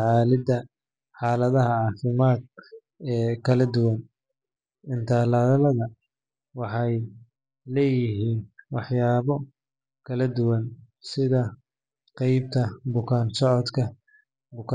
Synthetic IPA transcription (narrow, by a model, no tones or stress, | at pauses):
aːlɪd̪ɐ | ħɑːlɐðɐɦɐʕɑːfɪmaːd̪̚ | ɛːkʰɐlɐd̪ʊwɐn | ɪnt̪ʰaːlaːðɐlɐðɐ | wɑħɑj | lɛːjɪɦiːnwɑħjaːβɔ | kʰɐlɐd̪ʊwɐn | sɪðɐ | qɑjbt̪ʰɐbʊkʰaːnsɔʕɔd̪kʰɐ | bʊkʰː